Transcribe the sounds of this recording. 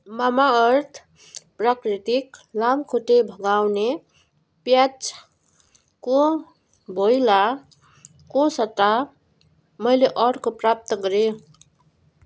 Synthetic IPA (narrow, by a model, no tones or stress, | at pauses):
mamaʌɾt̪ʰ | pɾakɾit̪iklamkʰoʈebʱəɡawne | pjat͡ʃ | ko | bojla | kosət̪ːa | mʌjleʔʌɾkopɾap̚t̪əkʌɾe